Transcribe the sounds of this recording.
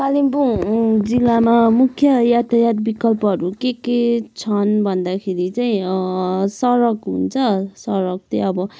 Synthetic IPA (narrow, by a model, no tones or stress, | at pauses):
talimbud͡zilːamamukʰjʌjat̪ʰajat̪bikʌlpʌɦʌɾukeket͡sʰʌnbʱʌnd̪akʰeɾit͡saĩ | sʌɾʌkɦṵnt͡sʰʌsʌɾʌk̚t̪ʌ̃ʌbʌ